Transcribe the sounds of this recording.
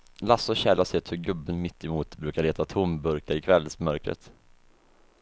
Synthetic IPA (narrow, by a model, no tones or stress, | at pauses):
lasɔɕɛlasɛt̪hɵɾɡɵbːənmɪt̪ːɪmuːt̪bɾʉ̟ːkaɭeːt̪at̪ʰʊmbɵɾkaɾɪkʰvɛlːsmœɾkɾə̰t̪